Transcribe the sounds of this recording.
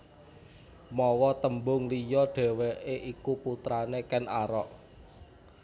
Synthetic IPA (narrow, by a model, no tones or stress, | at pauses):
mɔwɔt̪əmbʊŋlijɔɖ̥e̤wɛʔeʔikuput̪ɾanekɛnaɾɔʔ